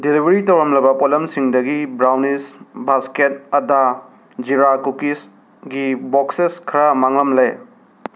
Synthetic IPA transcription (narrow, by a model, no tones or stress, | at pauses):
dilibʱɐɾitɐwɾɐmlɐbɐpolɐmsiŋdɐɡibɾawnisbasket̚ɐda | d͡ʒiɾakukis | ɡibokseskʰɾɐmaŋlɐmle